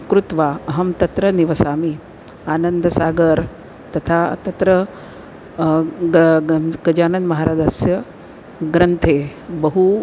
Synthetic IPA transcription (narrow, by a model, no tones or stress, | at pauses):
kɾut̪ʋaːɐɦɐmt̪ɐt̪ɾɐniʋɐsaːmi | aːnɐnd̪ʱɐsaːɡɐɾ | t̪ɐt̪ʰaːt̪ɐt̪ɾɐ | ɡɐd͡ʒaːnɐnmɐɦaːɾaːd͡ʒaːsjɐ | ɡɾɐnt̪ʰeːbɐɦu